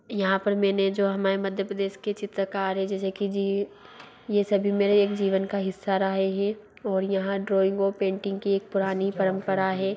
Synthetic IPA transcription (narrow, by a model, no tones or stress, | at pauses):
jɐɦãpɐɾmɛːned͡ʒoːɦɐmaːɾemɐd̪ʱjəpɾəd̪eːʃket͡ʃɪt̪ɾəkaːɾɦɛ̃d͡ʒɛːsekid͡ʒiː | jesɐbʱimeːɾeeːkd͡ʒiːʋənkaɦɪsːaɾɐɦeɦɛ̃ | ɔːɾjɐɦãɖɾoːɪ̃ŋɡopẽːɳʈɪ̃ŋɡkieːk̚pʊɾaːnipɐɾə̃mpəɾaɦɛː